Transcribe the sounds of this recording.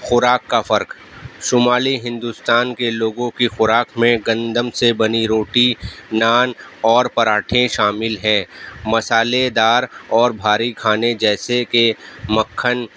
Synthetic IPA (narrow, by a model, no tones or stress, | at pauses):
xʊɾaːkːafɐɾk | ʃʊmaːliɦɪ̃nd̪uːst̪aːnkeloːɡõkixʊɾaːkʰmẽɡɐ̃nd̪əmsebɐniɾoːʈinaːnɔːɾpɐɾaːʈʰẽʃaːmɪlɦɛ̃ːmɐsaːled̪aːɾɔːɾbʱaːɾikʰaːned͡ʒɛːsekemɐkʰːən